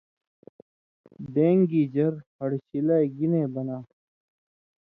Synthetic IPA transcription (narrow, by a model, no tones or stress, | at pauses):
d̪eːŋɡiːd͡ʑɐɾhɐɽɕilaːeɡineːbɐnaː